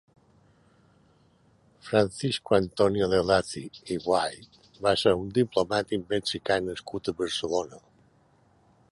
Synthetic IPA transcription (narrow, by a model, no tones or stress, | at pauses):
fɾansiskuant̪ɔnjoðelaθḭiβwajt̪ | baseɾund̪iplomat̪imbensikanəskut̪əβəɾsəlonə